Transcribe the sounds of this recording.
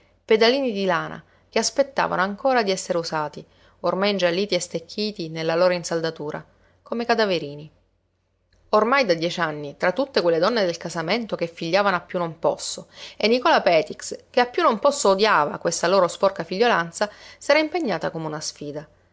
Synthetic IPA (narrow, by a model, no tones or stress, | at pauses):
ped̪aliːnid̪ilaːnʔa̰ | keaspet̪ːa̰ːva̰noaŋkoːɾad̪iɛsːeɾeusaːt̪i | ormajind͡ʒalːiːt̪iest̪ekʰːiːt̪inelːaloːɾainsald̪at̪uːɾa̰ | komekad̪aveɾiːni | ormajd̪ad̪jɛt͡ʃanːit̪ɾat̪ːut̪ːekwelːed̪ɔnːed̪elkazament̪okefːiʎːaːvanoapːjunːompɔsːoenːikɔlapɛːt̪ikskeapːjunːompɔsːoːd̪jaːva̰kwest̪aloːɾospɔrkafiʎːolant̪sasɛːɾaimpeɲːaːt̪akomeunasfiːd̪a